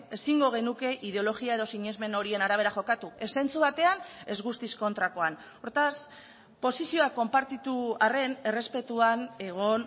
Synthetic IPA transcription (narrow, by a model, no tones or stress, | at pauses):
e̞siŋɡo̞ɣ̞e̞nuke̞ʔið̞eo̞lo̞ɣiae̞ð̞o̞siɲe̞zme̞no̞ɾie̞naɾaβ̞e̞ɾaxo̞kat̪ue̞se̞nt͡suβat̪e̞ane̞zɣust̪isko̞nt̪ɾako̞an | oɾt̪as | po̞sisio̞ako̞mpaɾt̪it̪uare̞ne̞re̞spe̞t̪uane̞ɣ̞o̞n